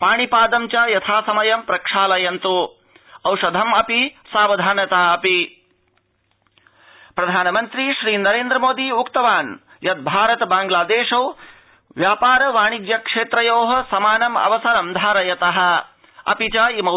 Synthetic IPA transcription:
paːɳipaːd̪ɐmt͡ʃajɐt̪ʰaːsɐmɐjɐmpɾɐkʂaːlɐjɐnt̪u | ɐwʂɐd̪ʱɐmɐpisaːʋɐd̪ʱaːnjɐt̪aːɐpi | pɾɐd̪ʱaːnɐmɐnt̪ɾiʃɾiːnɐɾeːnd̪ɾɐmoːd̪iukt̪ɐʋaːn | jɐd̪̚bʱaːɾɐt̪baːŋɡlaːd̪eːʂoː | ʋjaːpaːɾɐʋaːɳiɡjɐkʂeːt̪ɾɐjoːɦɐ̆sɐmaːnɐmɐ̰ʋɐsɐɾɐmd̪ʱaːɾɐjɐt̪ɐɦɐ̆ | ɐ̰pit͡ʃaimɐ

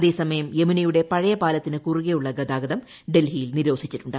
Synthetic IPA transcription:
ɐðeːsɐmɐjɐmje̞minɐjuɽe̞pɐɻɐjɐpaːlɐt̪ːinɨkuriɣejuɭːɐɡɐd̪aːɡɐðɐm | ɖe̞lɦijilniɾo̞ːd̪ʱit͡ɕːiʈːuɳɖɨ

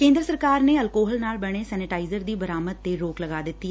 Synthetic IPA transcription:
kẽːnd̪ɾəsəɾkaːɾneːəlkoːɦəlnaːlbəɽ̃esɛːnɪʈaːɪzəɾd̪iːbəɾaːməd̪̚t̪eɾoːkləɡaːd̪ɪt̪ːi

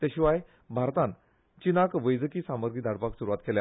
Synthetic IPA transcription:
t̪eɕiʋaj | bʱaɾt̪ãn | t͡ɕinakʋəjd͡zəkiːsãməɾɡʱid̪ʱaɽpaksuɾuʋat̪kelja̰

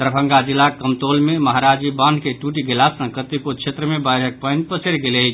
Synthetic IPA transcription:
t̪əɾbʱə̃ŋɡad͡ʒilːakəmt̪olmeməɦaɾad͡ʒibanʱkeʈuʈiɡelasə̃kət̪ipud̪̚t͡ʃʰet̪ɾəmebəjɾʱək̚pənpəseɾɡeleɦi

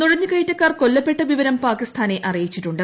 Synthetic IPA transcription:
nuɻɐɲːɨkɐjitːɐkːaːrko̞lːɐpːeʈːɐʋiʋɐɾɐmpaːkist̪ʰaːne̞ʔɐrijit͡ɕːiʈːuɳɖɨ

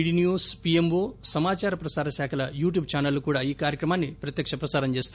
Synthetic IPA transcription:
ɽinjuːspijemʋoːsɐmaːt͡ʃaːɾɐpɾɐsaːɾɐsaːkʰɐlɐjuːʈjuːbt͡ʃaːnɐlːukuːɽaːiːkaːɾjɐkɾɐmaːnːipɾɐt̪jɐkʂɐpɾɐsaːɾɐɲt͡ʃe̞ːst̪u

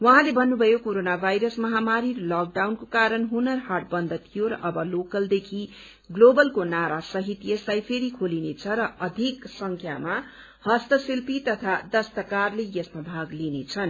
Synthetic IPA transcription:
wʌɦãlebʱʌnːubʱʌjokoɾonabʱajɾʌsmʌɦamaɾiʌlak̚ɖawnkokaɾʌnɦunʌrɦarʈ̚bʌnd̪ʱʌt̪ʰijoɾʌ̰ʔʌbʌlokʌld̪ekʰi | ɡlobʌlkonaɾasʌɦit̪jeslajpʰeɾikʰolinet͡sʰʌɾʌʌd̪ʱiksʌŋkʰjama | hʌst̪ʌsilpit̪ʌt̪ʰad̪ʌst̪ʌkarlejʌsmabʱaɡlinet͡sʰʌn

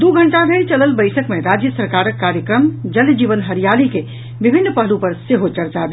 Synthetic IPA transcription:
d̪uɡʱəɳʈabʱeɾt͡ʃələlbəɪjsəkmeɾad͡ʒjəsəɾkaɾəkːaɾjəkɾəmd͡ʒəld͡ʒiʋənɦəɾijalike | bibʱinːpəɦlupəɾseɦot͡ʃəɾt͡ʃabʱe

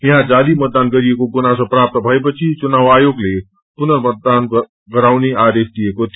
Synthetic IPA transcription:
ĩɦãd͡ʒaːlimət̪̚d̪aːnɡəɾiekoɡunasɔpɾaːp̚t̪əbʱəjp̬ət͡ʃʰit͡ʃʊnaːʋaːjoːɡle | pʊnəɾmət̪̚d̪aːn | kəɾaːʋneaɾest̪iekot̪i

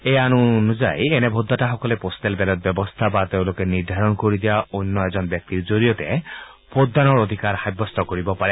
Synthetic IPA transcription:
ejanunuza̰jenɛbʱod̪ʱːataxɔkɔlepost̪ɛlbɛlɔt̪̚bjɔbɔst̪ʰabat̪eʊ̃lokeniɾd̪ʱaɹɔnkoɹid̪ijaonːɔɛzɔnbjɔk̚t̪iɹzoɹiɔt̪ɛ | pod̪ːanɔɹod̪ʱikaɾxajbɔst̪ɔkoɹibɔpaɾɛ

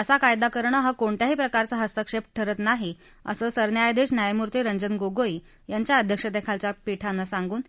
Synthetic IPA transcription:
əsakajd̪akəɾɳəɦakoɳʈ̪jaɦiːpɾəkaɾt͡saɦəst̪əkʂepʈʰəɾət̪naɦi | ə̰səːsəɾnjajd̪eɕnjajmuɾt̪iɾəɲd͡ʑənɡoɡoj | jaɲt͡ɕjaəd̪ʱjəkʂəd̪ekʰalt͡ɕapiʈʰanːasaŋɡuːn

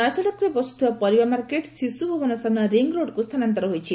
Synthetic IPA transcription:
ɔjsɔlakʰɾebɔsu̥t̪ʰiwapɔɾibamaɾkeʈsisubʱobʱɔnɔsanɔɾiŋɡɾoɖkust̪ʰanant̪ɔɾɔɦojt͡ʃʰi

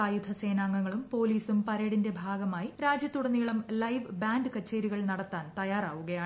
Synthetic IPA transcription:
aːjud̪ʱɐse̞ːnaːŋːɐŋːɐɭumpo̞ːliːsumpɐɾeːɽinde̞bʱaːɡɐmaːjiɾaːd͡ʑjɐt̪ːuɽɐnːijɐɭɐmlɐjʋbaːnɖɨkɐt͡ɕːeːɾiɣɐɭnɐɽɐt̪ːaːnt̪ɐjaːraːʋuɣɐjaː

